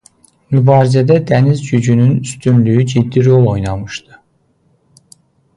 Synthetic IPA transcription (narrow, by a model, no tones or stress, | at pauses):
mybɑːɾizæd̪æd̪ænizd͡ʒyd͡ʒynynyst̪ʰynlyjyd͡ʒid̪ːiɾo̞lˠo̞jnɑmɯʃt̪ɯ̥